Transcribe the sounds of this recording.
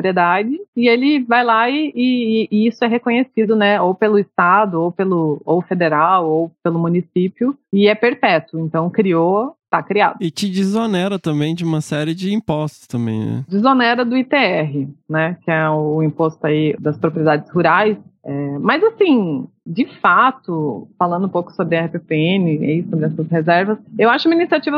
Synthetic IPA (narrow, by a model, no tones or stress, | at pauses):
opɾied̪ad͡ʒɪɪelɪvajlaɪɪisʊɛɦekõɲesid̪ʊnɛowpelʊɪst̪ad̪ʊowpelʊowfed̪eɾawowpelʊmũnisipiʊɪɛpeɾpɛt̪ʊẽnt̪ɐ̃w̃kɾiot̪akɾia̰d̪ʊɪt͡ʃɪd͡ʒizonɛɾɐt̪ɐ̃mbẽj̃d͡ʒɪũmɐsɛɾɪd͡ʒɪĩpɔst̪ʊ̥st̪ɐ̃mbḛ̃j̃nɛ̰d͡ʒizonɛɾɐd̪ʊit̪eɛɦɪnɛkɪɛʊːĩpost̪ʊaid̪ɐspɾopɾied̪ad͡ʒɪzhuɾajsɛmɐzasĩ | d͡ʒɪfat̪ʊfalɐ̃nd̪ʊũpowkʊ̥sobɾɪɛhipepeẽnɪisobɾɪɛsɐshezɛɾvɐsewaʃʊkumɐinisiat͡ʃivɐ